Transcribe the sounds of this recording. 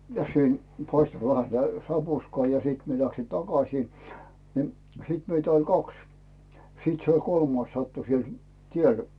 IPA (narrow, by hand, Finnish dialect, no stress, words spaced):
jɑ sen pɑistŏ ʋæhæ sĭtæ sɑpuskŏɑˑ jɑ siːt mie læksi tɑkɑsiː ni siˑt meitæ olʲ kɑks sit se olʲ kolmɑis sɑtːu siel tiel